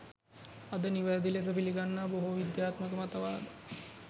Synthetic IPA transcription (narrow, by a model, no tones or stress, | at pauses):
ɐd̪əniʋajd̪iles̬əpiliɡanːaːboɦuʋid̪jaːt̪məkəmat̪əʋaːd̪ə